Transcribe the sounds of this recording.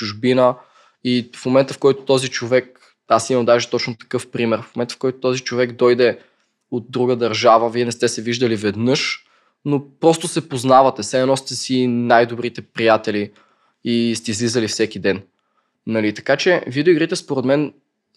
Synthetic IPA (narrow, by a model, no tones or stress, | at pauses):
t͡ʃuʒbinə | ifmomɛnt̪əfkɔjt̪o̥t̪ɔzit͡ʃovɛk̚ | asimɐmd̪aʒɛt̪ɔt͡ʃnot̪ɐ̥kɤfpɾimɛɾfmomɛnt̪ə̥fkɔjt̪o̥t̪ɔzit͡ʃovɛɡd̪ɔjd̪ɛ | od̪̚d̪ɾuɡəd̪ɐɾʒavəviɛnɛst̪ɛsɛviʒd̪əlivɛd̪nɤʃ | nopɾɔst̪ʊsɛpoznavɐt̪ɛsɛɛnɔsit̪ɛsinajd̪obɾit̪ɛpɾijat̪ɛli | ist̪ɛizlizəlifsɛkid̪ɛn | nɐlit̪ɐ̥kat͡ʃɛvid̪oiɡɾit̪ɛspoɾɛd̪mɛn